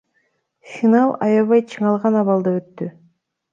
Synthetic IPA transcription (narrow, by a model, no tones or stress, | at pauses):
fʲinɑlˠɑjɑβɑjt͡ʃʰɯɴɑlˠʁɑnɑβɑlˠd̪ɯøt̪ːy